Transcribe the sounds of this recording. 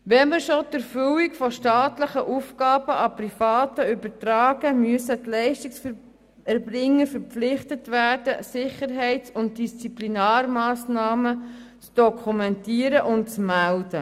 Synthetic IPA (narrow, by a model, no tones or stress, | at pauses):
ʋɛməɾʃodəɾfʏwikfɔʃtɑːtləχəʔufɡɑːb̥əʔɑpɾifɑːtəʏbəɾtɾɑːɡəmyəsətlɛɪʃtiksf | ɛɾbrɪŋːəfəɾpflɪχtətʋæːd̥əsɪχəɾɦɛɪt͡sʊnt̚d̥ist͡siplinɑːɾmɑːsnɑːmət͡sd̥ɔkʰumɛntiːəɾəʔʊntt͡smæld̥ə